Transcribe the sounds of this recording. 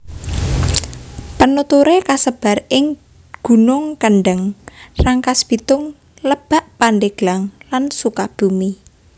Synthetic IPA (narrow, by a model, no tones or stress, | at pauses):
pənut̪uɾekasəb̥a̤rɪŋ | ɡ̥ṳnʊŋkəɳɖəŋraŋkasb̥it̪ʊŋ | ləb̥a̤ʔpanɖeɡ̥laŋlansukab̥ṳmi